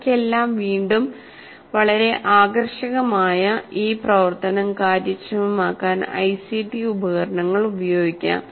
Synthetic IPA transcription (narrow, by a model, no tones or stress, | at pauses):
kʲːe̞lːaːmʋiːɳɖum | ʋɐɭɐɾe̞ʔaːɡɐrʂɐɣɐmaːjɐiːprɐʋɐrt̪ɐnɐmkaːɾjɐt͡ɕːɐmumaːkːaːnɐ̰jsiʈiubɐɣɐɾɐɳɐŋːɐɭubɐjo̞ːɡikʲːa̰ːm